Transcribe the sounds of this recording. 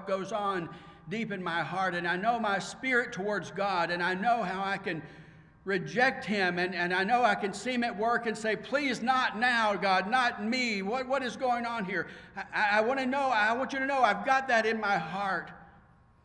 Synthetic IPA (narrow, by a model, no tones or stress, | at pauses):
ɡ̥oʊzn̩ | dipɨ̃nmaɪhɑɹɾɨ̃naɪnoʊmaɪspɪɹɨtʰəwɔɹdzɡɑɾɨ̃naɪnoʊɦaʊaɪkɨ̃n | ɹɨd͡ʒɛk̚t̚hɪ̃mɨ̃nɨ̃naɪnoʊaɪkɨ̃nsĩmɨt̚wɜ˞kɨ̃nseɪpʰl̥iznətⁿnaʊɡɑdⁿnət̚miwʌt̚wʌɾɨzɡoʊɪ̃ŋə̃nɦiɹaʔaɪaɪwɑ̃nɨnoʊaɪwɑ̃nt͡ʃɨɾɨnoʊaɪvɡɑt̪̚ðɨɾɨ̃nmaɪɦɑɹt̚